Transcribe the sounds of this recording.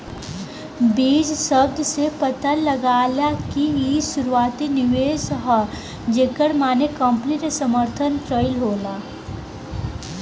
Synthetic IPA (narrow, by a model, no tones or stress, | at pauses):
biːd͡ʒsəb̚d̪sepət̪aləɡaːljakiiʃʊɾuaːt̪inɪʋeːsɦɔ | d͡ʒeːkəɽmaːnekə̃mpniɾesəməɾt̪ʰənʈɾəɪlɦoːlaː